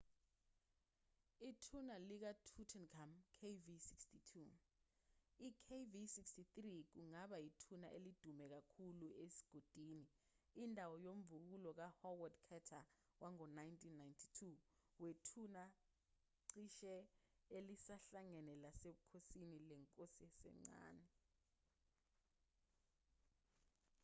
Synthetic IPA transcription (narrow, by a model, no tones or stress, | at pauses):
itʰunalik̬atʰutʰɛnkʰamkʰevisikstʰitʰu | ikʰevisikstit̪rik̬uŋaɓaitʰunaʔelid̥ʱumɛk̬akʰuluesi̥ɡ̥ʱod̥ʱiniː | ndʱawɔjom̩vuk̬ulɔk̬ahɔwɔdkʰɛtʰa | wʔaŋɔnajntʰʼinːajntʰi̥tʰu | wetʰuna | ǀiʃɛ | elisaɬaŋɛnɛlaseɓukʰosinilɛŋkʼosiɛsɛ̰ŋ͡ǀa̰ːnɛ